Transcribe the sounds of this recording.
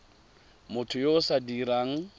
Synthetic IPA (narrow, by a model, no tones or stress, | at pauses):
mʊtʰʊjoʊsadiɾaːŋ̩